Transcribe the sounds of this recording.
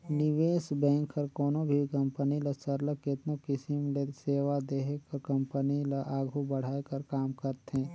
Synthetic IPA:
nɪʋeːsbɛ̃ːŋkːəɾkoːnobʱikəmpəniləsəɾləkɪt̪nokɪsimleseːʋad̪eːɦekəɾkə̃mpənilaʔaːɡʱubəɽ̤aːekəɾkaːmkəɾt̪ɛ̃ː

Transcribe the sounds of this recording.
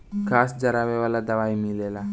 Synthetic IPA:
kʰasd͡zəɾaʋeʋalad̪əʋajmilela

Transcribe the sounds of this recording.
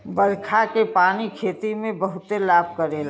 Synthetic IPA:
bəɾkʰakepaːnikʰeːt̪imẽbəɦʊt̪elaːb̚kəɾeːl

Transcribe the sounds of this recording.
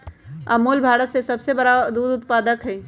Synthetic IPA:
ɐ̰muːlbʱaːɾət̪sesɐbsebɐɽad̪uːd̪ʊt̪paːd̪əkɦɛː

